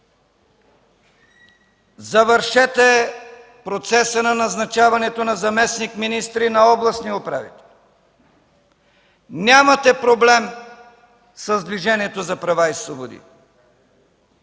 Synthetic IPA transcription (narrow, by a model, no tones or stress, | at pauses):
zɐvəɾʃɛt̪ɛ | pɾot̪sɛsənɐnɐznɐt͡ʃavɐnɛt̪onɐzɐmɛsnikminist̪ɾinɐɔblˠɐsniopɾa̰vḭt̪ɛlˠ | nʲamɐt̪ɛpɾoblɛm | səzd̪viʒɛniɛt̪ozɐpɾɐvaislˠobod̪ḭ